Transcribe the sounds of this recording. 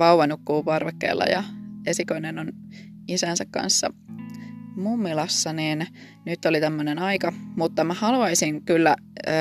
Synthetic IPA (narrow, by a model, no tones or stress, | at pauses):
ʋɑwʋɑnukːuːpɑrʋekːḛːlːɑ̰jɑ̰esikoinenon | isænsækkɑ̰nsːɑ̰ | mumːilɑsːɑniːn | nyt̪ːolit̪æmːønenɑikɑmut̪ːɑmæhɑluɑisiŋkylːæ